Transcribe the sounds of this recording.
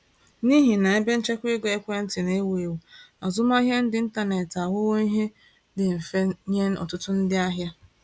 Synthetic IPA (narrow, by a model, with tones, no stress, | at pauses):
ni˦ɦi˨na˨e˦be˦n̩˦t͡ʃe˦kʷɪ˦ɡe˦kʷe˦n̩˦tɪ˨ne˦wu˨e˨wu˨a˨zʊ˦ma˦ɦja˦n̩˦dɪ˦n̩˦ta˦ne˨ta˨ɦʊ˦ɣo˦i˦ɦe˦ | dɪ˨m̩˨fe˦ɲe˦n̩˦ɔ̰˨tʊ˦tʊ˦n̩˦dɪ˦a˦ɦja˦